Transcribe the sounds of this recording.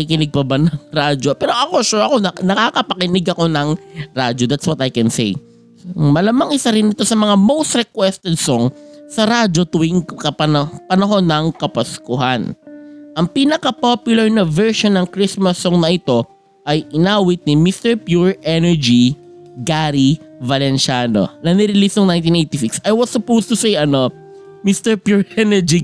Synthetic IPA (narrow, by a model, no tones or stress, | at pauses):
ɐikɪnɪɡ̚pɐbɐnɐŋɾad͡ʒopɛːɾoʔɐkoʃɛɐko̞ɐnɐkakɐpɐkɪnɪɡɐko̞nɐŋɾad͡ʒod̪at̪swɐt̪ɐjkɛnsḛj | mɐlamɐŋʔɪsaɾɪnːɪt̪o̞sɐmɐŋamowst̪ɾɛkwɛst̪ɛd̪̚soŋsɐɾad͡ʒot̪ʊwiŋkkɐpɐnpɐnɐɦo̞nːɐŋkɐpɐskʊɦanʔɐŋpiːnɐkɐpopjʊlɐɹnɐvɛɹʃonːɐŋkɾismɐsːoŋnɐʔɪt̪o̞ | ʔɐjʔɪnaːwɪt̪̚nimist̪ɛɹpjuɹʔɛnɛɹd͡ʒi | ɡaɾivɐlɛnʃano̞̰nɐnɪɾɪlist̪oŋnajnt̪inʔejt̪isɪksɐjwɐsːʊpowst̪ʊsejʔɐno̞ | mist̪ɛɹpjuɹʔɛnɛɹd͡ʒi